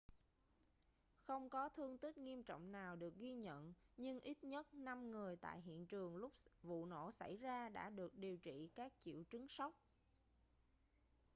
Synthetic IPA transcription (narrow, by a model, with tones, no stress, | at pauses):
xə˧wŋ͡mkɔ˨˦t̪ʰɨ˧əŋt̪ï˦˥k̚ŋi˧əmt͡ɕɔ̰˧˨wŋ͡mnaː˨˩wɗɨ˨˩ək̚ɣi˧ɲə̰˧˨nɲɨ˧ŋʔi˦˥t̚ɲə˦˥t̚na˧mŋɨ˨˩əjt̪a̰ː˧˨jɦḭ˧˨ənt͡ɕɨ˨˩əŋlʊ˦˥k͡p̚vṵ˧˨no̰˧˩sa˧˩jzaː˧ɗa̰ː˧˥ɗɨ˨˩ək̚ɗi˨˩əwt͡ɕḭ˧˨kaː˦˥k̚t͡ɕḭ˧˨wt͡ɕɨ˨˦ŋsa˦˥wk͡p̚